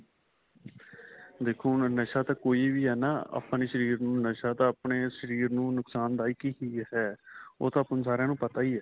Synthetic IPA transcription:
d̪eːkʰːuːnnəʃaːt̪aːkoːiːʋiːɦɛːnaːə̰pneːʃəɾiːɾnũːnəʃaːt̪ãːəpɳeːʃəɾiːɾnũːnʊksaːnd̪aːiːkiɦiːɦɛːo̰ːt̪ãːəpnːsaːɾejãːnũːpət̪aːiːɦɛː

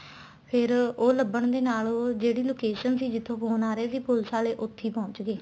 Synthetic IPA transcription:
pʰɪɾoːləbəɳd̪eːnaːloːd͡ʒeːɽiːloːkeːʃənsiːd͡ʒɪt̪ʰːõːɦoːnaːɾeːsiːpʊlsaːleːʔʊt̪ʰːiːpɔ̃ːɲt͡ʃɡeː

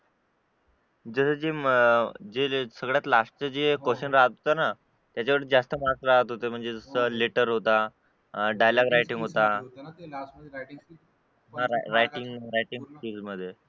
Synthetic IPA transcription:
d͡zəsəːd͡ze | d͡ʑesəɡɭjat̪laʂʈt͡səd͡ʑekoɕənɾaɦət̪ɦot̪ana | t̪jat͡ɕaʋəɽət̪d͡zast̪əmaksɾaɦət̪ɦot̪em̤əɳd͡zed͡zəsəleʈəɾɦot̪a | ɖajlaɡɾajʈiŋɡɦot̪a | ɦãɾɾajʈiŋɡɾajʈiŋɡʈid͡zməd̪ʱːje

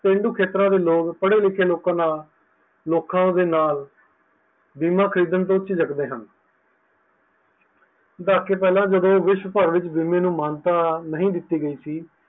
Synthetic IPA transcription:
pẽːɳɖuːkʰeːt̪ɾãːd̪eːloːkpəɽeːlɪkʰeːloːkãːnaːl | loːkãːd̪eːnaːl | biːmãːkʰəɾiːd̪ənt̪õːt͡ʃːʃiːd͡ʒəkd̪eːɦən | d̪aːkːeːpɛːlãːd͡ʒəd̪õːʋɪʃwəpəɾʋɪt͡ʃbiːmẽːnũːmaːnt̪aːnəɦĩːd̪ɪt̪ːiːɡəiːsiː

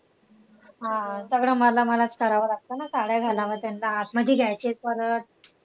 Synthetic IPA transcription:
ɦãsəɡɭəːməlaməlat͡skʰəɾaʋəlaɡ̚t̪ənasaɽjaɡʱalaʋət̪janlaːt̪məɡ̪ʱiːɡʱjajt͡ɕetkəɾət̪̚

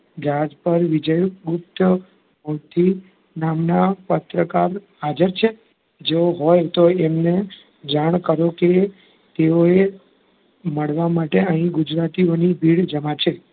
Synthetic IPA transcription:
d͡ʒad͡ʒpəɾʋɪd͡ʒəjɡʊp̚t̪ | mot̪ʰi | namnapət̪ɾəkaɾɦad͡ʒəɾt͡ʃʰe | d͡ʒeoɦojt̪oemne | d͡ʒaɽ̃kəɾoke | t̪eoe | məɽʋamaʈeəɦĩɡʊd͡ʒɾat̪ionibʱiɽd͡ʒəmat͡ʃʰe

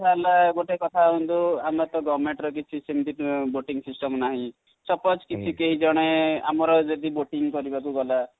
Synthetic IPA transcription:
tʰalaɡoʈekɔt̪ʰaɦũnd̪uamɔt̪ɔɡɔɾmeɳʈɾɔk̬it͡ʃʰisemd̪iʈboʈiŋsisʈɔmnaɦĩ | sɔpɔt͡ʃkit͡ʃʰikeɦid͡ʒɔɽ̃ea̰mɔɾɔd͡ʒed̪iboʈiŋkɔɾibakuɡɔla

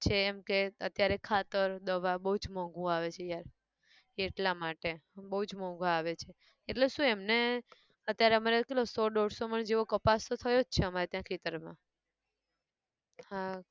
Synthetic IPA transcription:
t͡ʃʰeːmkeət̪jaɾekʰat̪əɾd̪əʋabəɦud͡ʒmɔ̃ɡũaʋet͡ʃʰejaɾ | eʈlamaʈebəɦud͡ʒmɔ̃ɡʱʋaːʋet͡ʃʰe | eʈleʃũemne | ət̪jaɾeəmaɾekelosɔɖoɽsoməɳd͡ʒeʋokəpast̪ot̪ʰəjod͡ʒt͡ʃʰeəmaɾet̪jãkʰɾit̪əɾmã̰ | ha

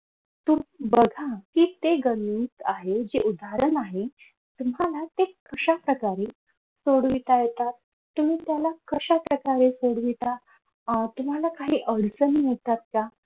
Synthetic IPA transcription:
t̪ubəɡʱakiːt̪eɡəliːt̪aɦed͡ʑeʔud̪ʱaɾənaɦe | t̪um̤alat̪ekʰəɕapɾəkaɾe | soɽʋit̪ajet̪at̪̚ː | um̤iːt̪jalakʰəɕapɾəkaɾesoɽʋit̪a | t̪um̤alakaɦiːʔəɽt͡sənijet̪at̪̚ka

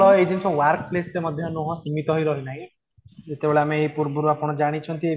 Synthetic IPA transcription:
ɭɔed͡ʒensɔwaɾkplesɾemɔd̪ʱjɔnɔɦɔ̃simit̪ɔɦjɾɔɾinaɦĩ | d͡ʒet̪ebeɭeameːipuɾbuɾapɔɽ̃ɔd͡ʒaɽ̃it͡ʃʰɔnt̪ie

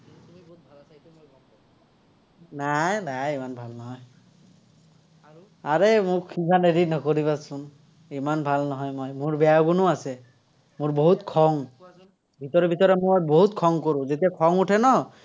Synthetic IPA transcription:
bʱ | najnajimanbʱalnɔɦɔj | aɹemʊkkʰikʰaneɾinɔkoɹiβasʊn | imanbʱalnɔɦɔjmɔjmʊɹbɛjaɡunʊasɛ | mʊɹboɦutkʰɔŋ | bʱit̪ɔɹɛbʱitɔɹɛmɔboɦutkʰɔŋkoɹũzetiakʰɔŋutʰɛnɔ

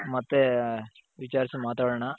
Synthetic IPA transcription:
mɐt̪ːe | ʋit͡ʃaːɾsimaːt̪aːɽɐɳɐ

